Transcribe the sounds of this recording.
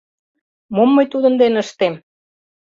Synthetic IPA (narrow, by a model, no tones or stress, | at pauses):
momːɤ̆jt̪ud̪ə̆nd̪enəʃt̪em